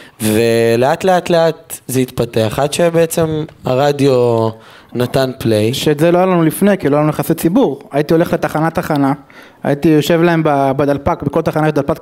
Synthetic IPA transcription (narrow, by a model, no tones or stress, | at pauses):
vele̞atle̞at̪leat̪zeit̪pateaχad̪ʃebeet͡se̞ma̰ʁad̪jo̞ | nat̪anplejʃetzeloajalanulifnekilojaanujeχasit͡sibuʁait̪io̞le̞χle̞t̪aχanat̪aχana | a̰it̪ijo̞ʃe̞vlae̞mbabad̪alpakbeko̞lt̪aχanaʃed̪alpat